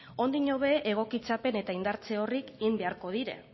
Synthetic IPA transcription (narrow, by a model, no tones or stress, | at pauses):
o̞nd̪iɲo̞β̞e̞ʔeɣ̞o̞kit͡sape̞ne̞t̪aind̪aɾt͡se̞o̞rikɣimbe̞aɾko̞ðiɾe̞̰